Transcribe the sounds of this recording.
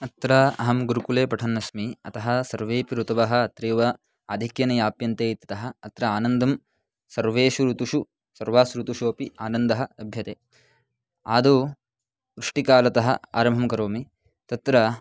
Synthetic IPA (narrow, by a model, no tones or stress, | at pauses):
ɐt̪ɾɐɐɦɐmɡuɾukuleːpɐʈʰɐnːɐsmiɐt̪ɐɦɐ̆sɐɾʋeːpiɾut̪ɐʋɐɦɐ̆ːt̪ɾeːʋɐ | aːd̪ʱikjɐnɐjaːpjɐnt̪eːt̪it̪ɐɦɐ̆ːt̪ɾɐaːnɐnd̪ʱɐm | sɐɾʋeːʃuɾut̪uʂu | sɐɾʋaːsɾut̪uʃoːpiaːnɐnd̪ɐɦɐɐbʱjɐt̪eː | aːd̪u | ʋɾuʂʈikaːlɐt̪ɐɦɐ̰a̰ːɾɐmʱɐmkɐɾoːmi | t̪ɐt̪ɾɐ